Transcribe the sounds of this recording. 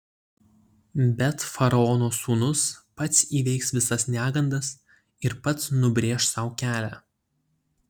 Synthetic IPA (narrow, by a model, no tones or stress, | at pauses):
bʲɛt̪fɐɾɐɔnoːsuːnʊspɐt̪siːʋʲɛɪksʋʲɪsɐsnʲæːɡɐnd̪ɐs | ɪɾpɐt̪snʊbʲɾʲeːʃsɐʊkʲæːlʲæ̰ː